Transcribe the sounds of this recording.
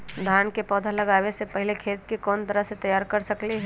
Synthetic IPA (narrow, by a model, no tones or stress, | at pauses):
d̪ʱaːnkepɔːd̪ʱalɐɡaːʋesepɐɦɪlekʰeːt̪kekɔːnt̪əɾəɦset̪ɐjaːɾkɐɾsɐkliɦɛ